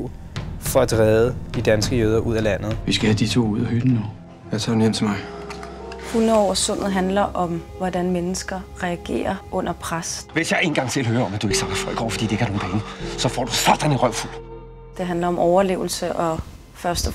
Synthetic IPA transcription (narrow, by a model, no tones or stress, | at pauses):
fɒ̽æd̥ʁɛːðˠəd̥id̥ænsɡ̥əjøð̞ˠɐʔuð̞̰ˠælæn̰ð̞̩ˠʋisɡ̥æhæd̥it͡sʰo̝̰ːuð̰ˠɐhyd̥n̩nu | jæt͡sʰɑːdunem̰d̥ʰt͡sʰmɑɪ | fun̩ˠɒ̰ʊ̰ɐsɔ̽n̰ð̩ˠɦænlɐʔɒ̽mʋɒdænmenəsɡ̥ɐʁɛæɡ̥e̝̰ːɐʔɔ̽n̰ɐpʰʁasʋe̝sjɑ̈ɪe̝ːnɡ̥ɑ̈ŋt͡sʰe̝lɦøːɐɒ̽mæd̥ue̝ɡ̥əsɑ̈ɡ̥ɐfɒ̽l̰ɡ̥ɒ̰ʊ̰fɒd̥ḭːde̝ɡ̥æɐno̝ːnbɛːnəsɒ̽fɒ̰ːd̥usɑɡ̥d̥eniʁɶʊ̰ful | d̥e̝ɦænlɐɒ̽mʔɒʊɐle̝ʊl̩səʔɒ̽ | fɶɐsd̥ɒ